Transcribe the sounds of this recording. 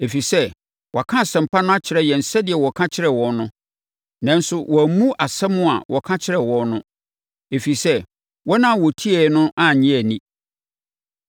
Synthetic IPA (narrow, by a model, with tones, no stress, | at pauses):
e˨fi˨sɛ˦ | wɔ˨kʰã˦˨sɛ̃˨m̩˨pʰa˦nʊ̃˦a˦t͡ɕʰɪ˨ɾɛ˦jɛ˨n̩˨sɛ˦dɪ˨ɛ˨wɔ˨kʰã˦t͡ɕʰɪ˦ɾɛ˨wɔ̃˨nnʊ̃˦ | nã˦n˦sʊ˦wʔɔ˨æ˨mũ˦ʔa˨sɛ˦mʊ̃˦a̰˨wʔɔ˨kʰã˦t͡ɕʰɪ˦ɾɛ˨wɔ̃˨nʊ̃˦ | e˨fi˨sɛ˦ | wɔ˦nã˦˨wɔ˨tʰi˦ɛ˨˦nʊ̃˦ʔa˦˨ɲĩ˦æ˨nĩ˦